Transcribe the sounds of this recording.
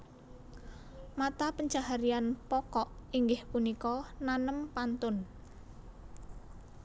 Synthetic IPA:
mat̪apəɲd͡ʒahaɾianpɔkɔʔiŋɡɪhpunikɔnanəmpant̪ʊn

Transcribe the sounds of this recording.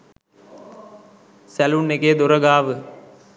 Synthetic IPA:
sælunːeked̪oɾɐɡaːʋɨ

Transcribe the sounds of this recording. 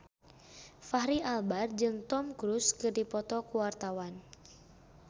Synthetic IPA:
faɦɾiʔalbard͡ʒɨŋt̪ɔmkɾuskɨrdipɔt̪ɔkuwart̪awan

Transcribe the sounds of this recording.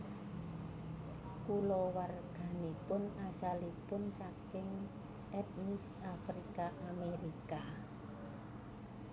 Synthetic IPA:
kulɔwarɡ̥a̤nepʊnasalipʊnsakɪŋ | ʔɛt̪̚nis | afɾikaʔameɾika

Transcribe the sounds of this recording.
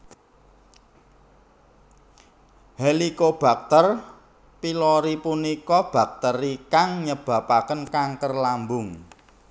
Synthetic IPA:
helikob̥a̤k̚t̪ər | piloɾipunikɔb̥ä̤k̚t̪ərikaŋɲəb̥a̤pakənkaŋkərlambʊŋ

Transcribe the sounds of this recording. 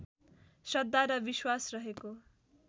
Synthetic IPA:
sʌd̪ːaɾʌbiswasrʌɦeko

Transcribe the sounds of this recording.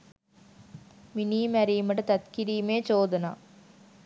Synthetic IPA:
minijmɐɾijumɐʈɐt̪ɐt̪kiɾijmeːt͡ɕoːd̪ɐna̰ː

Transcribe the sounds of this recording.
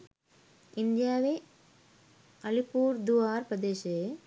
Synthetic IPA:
ɪnd̪jaːʋe | ɐlipuːɾd̪uaːɾpɐd̪eːʃe

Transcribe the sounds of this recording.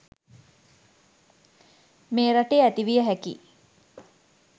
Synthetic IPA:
meːɾaʈeæt̪iʋijəɦækḭ

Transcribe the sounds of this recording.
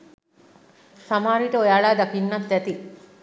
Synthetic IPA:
samaːɾiʈəojaːɭaːd̪akinːɐt̪d̪ɛt̪i

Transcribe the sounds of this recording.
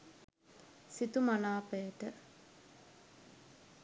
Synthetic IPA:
sit̪umanaːpejəʈə

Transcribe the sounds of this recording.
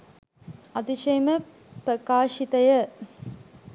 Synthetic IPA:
ɐt̪iʃɐjmə | pɾɐkaːʂit̪ɐjɐ

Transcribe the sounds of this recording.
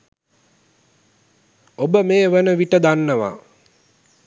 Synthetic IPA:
obəmeːʋənəʋiʈəd̪anːəʋa̰

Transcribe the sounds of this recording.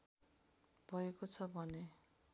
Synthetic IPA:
b̥ʱʌekot͡sʰʌbʱʌne

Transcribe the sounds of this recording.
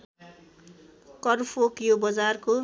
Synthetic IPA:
kʌrfʰokjobʌd͡zarko

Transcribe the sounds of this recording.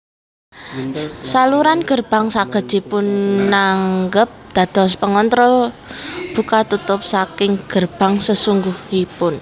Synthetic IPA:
saluɾanɡ̥ə̤rb̥a̤ŋsaɡ̥ə̤̥d͡ʒ̥ipʊnːaŋɡəp̚d̪̥a̤d̪̥ɔ̤spəŋɔnt̪ɾɔ | b̥ṳkat̪ut̪ʊp̚sakɪŋɡ̥ərb̥a̤ŋsəsuŋɡuhipʊn

